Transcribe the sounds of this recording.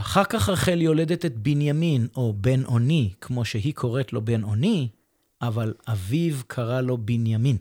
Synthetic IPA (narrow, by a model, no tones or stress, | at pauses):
aχaʁkaχhaʁχeljo̞le̞d̪et̪et̪̚binjamino̞be̞nʔo̞nikʰmo̞ʃeɦikʰo̞ʁetlo̞be̞no̞ni | ʔavalʔavivkʰaʁalo̞binjamin